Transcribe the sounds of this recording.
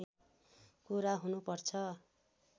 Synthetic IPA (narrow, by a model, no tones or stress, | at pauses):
e | kuɾaɦunupʌrt͡sʰʌ